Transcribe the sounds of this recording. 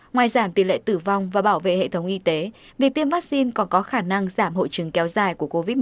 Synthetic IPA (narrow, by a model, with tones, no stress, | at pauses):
ŋwaː˨˩jzaː˧˩mt̪i˧˩lḛ˧˨t̪ɨ˧˩va˧wŋ͡mvaː˨˩ɓaː˧˩wvḛ˧˨hḛ˧˨t̪ʰə˨˦wŋ͡mʔi˧t̪e˨˦ | vi˨˩ək̚t̪i˧əmvaː˦˥k̚si˧nkɔ˨˩nkɔ˨˦xaː˧˩na˧ŋzaː˧˩mho̰˧˨jt͡ɕɨ˨˩˦ŋkɛ˨˦wzaː˨˩jku˧˩əko˧vi˦˥